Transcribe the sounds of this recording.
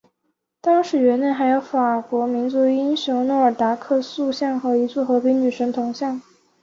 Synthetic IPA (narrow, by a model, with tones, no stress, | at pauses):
t̪ɑ˥ŋʂɻ̩˧˥ɥɛ˧˥ne˥˩xa˧˥ɪjo˧˥ʊfa˨˩kwɔ˧˥mi˧˥nt͡su˧˥y˧˥i˥nɕjʊ˧˥ŋnwɔ˧˥ə˞˨˩t̪a˧˥kʰɤ˥˧su˥˧ɕjɑ˥˩ŋxɤ˧˥i˧˥t͡sɔ˥˩xɤ˧˥pʰi˧˥ŋny˨˩ʂə˧˥ŋt̪ʰʊ˧˥ŋɕjɑ˥˩ŋ